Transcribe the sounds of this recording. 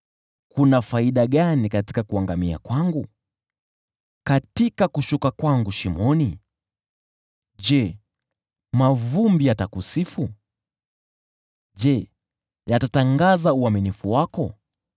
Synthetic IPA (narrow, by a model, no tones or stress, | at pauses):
kunafaiɗaɠanikati̥kakuaŋɡamia̰kwaŋɡu | katikakuʃukakwaŋɡuʃimɔni | ʄɛ | mavumbijatakusifu | ʄɛ | jatataŋɡazauaminifuwakɔ